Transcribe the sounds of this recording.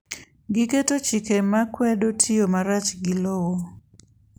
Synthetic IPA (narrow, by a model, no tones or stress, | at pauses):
ɡɪketot͡ʃikemakwɛdotʰijomaɾat͡ʃɡilowo